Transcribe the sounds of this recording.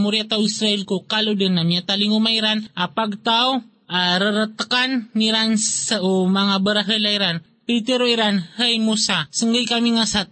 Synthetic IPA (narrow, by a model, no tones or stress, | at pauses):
muɾiat̪awisɾaʔilkukaludənːamiat̪aliŋumaiɾanʔapaɡ̚t̪aw | aɾəɾət̪əkanːiɾansaomaŋabəɾaɦəlaiɾan | pit̪əɾoiɾanhəjmusasəŋɡəjkamiŋasat̪̚